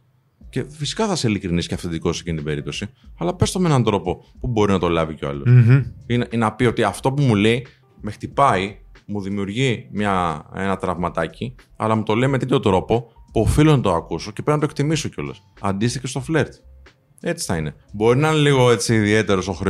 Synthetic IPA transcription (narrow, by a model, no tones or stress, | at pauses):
ce̞fisi̥kɐθɐselikɾinisi̥cɐfθed̪ikossecinit̪ibe̞ɾip̚t̪o̞siɐlɐpe̞st̪o̞mee̞nɐnd̪ɾo̞po̞pubo̞ɾinɐt̪o̞lɐvico̞ɐ̰losininɐpio̞t̪iɐft̪o̞pumule̞i | me̞xt̪ipɐimuðimiuɾʝimɲɐe̞̰nɐt̪ɾɐvmɐt̪ɐci | ɐ̰lɐmut̪o̞le̞imet̪et̪ʰo̞t̪ɾo̞po̞puofilonɐt̪o̞ɐkuso̞cepɾeiznɐt̪okt̪imiso̞ceo̞lɐ̰sɐ̰nd̪ist̪içe̞st̪o̞fle̞ɾt̪ | e̞t͡si̥θɐine̞bo̞ɾinɐineliɣo̞e̞t͡siːðie̞t̪e̞ɾo̞so̞xɾe